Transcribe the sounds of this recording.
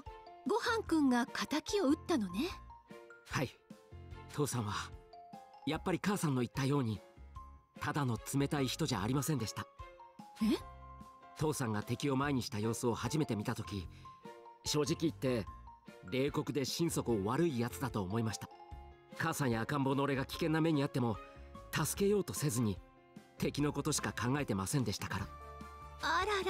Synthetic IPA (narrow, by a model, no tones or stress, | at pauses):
ɡo̞hãŋkɯ̟̃ŋɡakʰat̪akʲio̞ɯ̟t̪ːano̞ne | hai | t̪ʰo̞ːsãɰ̃β̞a | japːaɾʲikaːsãnːo̞it̪ːajo̞ːɲ̟i | t̪ad̪ano̞t͡sɨme̞t̪aiçi̥t̪o̞ʑaːɾʲimasẽnd̪e̞ɕi̥t̪a | e | t̪o̞ːsãŋɡat̪e̞kʲio̞maeɲ̟iɕi̥t̪ajo̞ːsɨo̞haʑime̞t̪e̞mʲit̪at̪o̞kʲi | ɕo̞ːʑikʲiːt̪ːe̞ | ɾe̞ːko̞kɯ̟d̪e̞ɕĩɰ̃so̞kɯ̟oβaɾɯ̟ijat͡sɨd̪at̪o̞ːmo̞imaɕi̥t̪ḁkãsãɰ̃jaːkãmbo̞no̞ːɾe̞ɡakʲi̥kẽ̞nːame̞ɲ̟iat̪ːe̞mo̞t̪asɨ̥ke̞jo̞ːt̪o̞se̞zɨɲ̟i | t̪e̞kʲino̞ko̞t̪o̞ɕi̥kakãŋɡae̞t̪e̞masẽ̞nd̪e̞ɕi̥t̪ḁkaɾa | aɾa